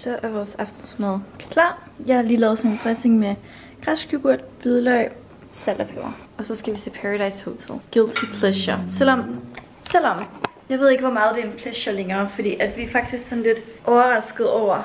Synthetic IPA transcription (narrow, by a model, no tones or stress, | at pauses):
sɒ̽ʔæɐʋɒːsɑfd̥nsmoð̩ˠkʰlɑ̰̈ː | jɑɪhɑ̈liːlɛːʊðˠsɒ̽nend̥ʁɛse̝ŋme | ɡ̥ʁasɡ̥uɡ̥uɐ̰d̥b̥yðˠlœɪ̰ | sæl̰ɐpʰeʊɐ | ɒ̽sɒ̽sɡ̥æʋisʰe̝pʰæʁɑɾɑ̈ɪshot͡sʰelˠɡ̥elt͡sʰipʰleɕɐsel̰ɒm | sel̰ɒ̽mjɑ̈ʋe̝ð̞ˠe̝ɡ̥əʋɒmɑ̈ːð̩ˠd̥e̝ænpʰlɛɕɐleŋɐːfɒ̽d̥ḭːʔæd̥ʋiæɐfɑ̈ɡ̥d̥isɡ̥sɒ̽nle̝d̥ʔɒʊɐʁɑ̈sɡ̥əð̩ˠɒʊ̰ɐ